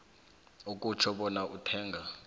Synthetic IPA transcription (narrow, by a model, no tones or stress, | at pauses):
ok̬ʼut͡ʃʰɔɓɔnaʔutʰɛːŋɡʱa